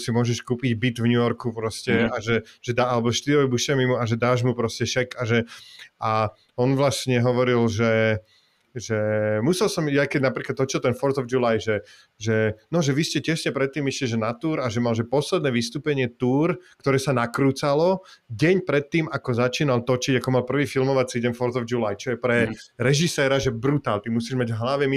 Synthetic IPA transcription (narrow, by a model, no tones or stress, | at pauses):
simʊɔʒɛʃkuːpiɟbit̪vɲujɔɾkupɾɔscɛaʒɛʒ̥ɛd̪aalɛbɔʃt̪iɾɔʋɛbuʃɛmimuaʒɛd̪aːʒmupɾɔscɛʃɛkaʒɛa | ɔnʋlasɲɛɦɔʋɔɾilʒɛ | ʒɛmusɛlsɔmjakɛɟnapɾiːklad̪ɔt͡ʃilt̪ɛnfɔɾt̪ɔvd͡ʒulajʒɛ | ʒɛnɔʒɛʋiscɛcɛʃɲɛpɾɛt̪ːiːmiʃɛiʒɛnat̪uːɾaʒɛmalʒɛpɔslɛd̪nɛːʋist̪uːpɛɲɪɛt̪uːɾkt̪ɔɾɛːsanakɾuːt͡salɔɟɛɲpɾɛt̪ːiːmakɔzat͡ʃiːnalt̪ɔt͡ʃiɟakɔmalpr̩ʋiːfilmɔʋat͡siɟɛnfɔɾt̪ɔvd͡ʒulajt͡ʃɔjɛpɾɛɾɛʒisɛːɾaʒɛbɾut̪aːlt̪imusiːʒmaɟɦlaʋɛmi